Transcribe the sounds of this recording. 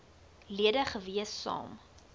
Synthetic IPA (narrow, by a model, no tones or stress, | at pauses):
liədəχəviəsːɑ̰ːm